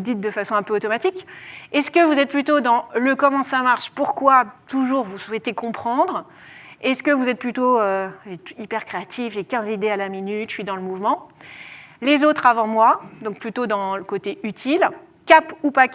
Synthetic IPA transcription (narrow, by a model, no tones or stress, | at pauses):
d̪it̪̚d̪əfasɔ̃ɛ̃pøot̪ɔmat̪ikʲɛskəvuzɛt̪̚plyt̪od̪ɑ̃ləkɔmɑ̃samaʁʃpuʁkwat̪uʒuʁvuswɛt̪ekɔ̃pχɑ̃d̪ʁ | ɛskəvuzɛt̪̚plyt̪oøʒet̪ipɛʁkχeat̪ʰifʒekʲɛ̃zid̪ealaminyt̪ʃɥid̪ɑ̃ləmuvmɑ̃ | lezot̪χavɑ̃mwad̪ɔ̃k̚plyt̪od̪ɑ̃ləkot̪eʔyt̪ʰil | kapupak